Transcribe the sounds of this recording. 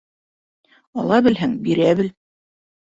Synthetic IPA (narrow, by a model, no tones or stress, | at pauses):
ɒ̰lˠɑbɘ̆lɦɘŋbiɾæβɘ̆l